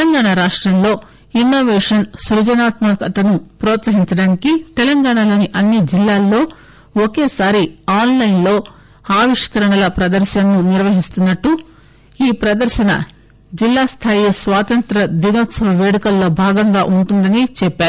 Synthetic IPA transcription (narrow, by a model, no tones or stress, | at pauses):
ɐŋɡaːɳaɾaːʂʈɾɐmlo̞ː | inːoːʋɛːʂɐnsɾud͡ʒɐnaːt̪mɐkɐt̪ɐnupɾɔːt̪sɐɦiɲt͡ʃɐɽaːnikit̪ɛlɐŋɡaːɳalo̞ːniʔɐnːid͡ʒilːaːlːo̞ː | okeːsaːɾiaːnlɐjnlo̞ː | aːʋiʂkɐɾɐɳɐlɐpɾɐd̪ɐɾʃɐnnːuniɾʋɐɦist̪unːɐʈːu | iːpɾɐd̪ɐɾʃɐnɐ̰ | d͡ʒilːaːst̪ʰaːjisʋaːt̪ɐnt̪ɾɐd̪iɡ̪oːt̪sɐʋɐʋeːɽɐkɐlːo̞ːbʱaːɡɐŋɡaːʔuɳʈund̪ɐnit͡ʃɛpːaːɾu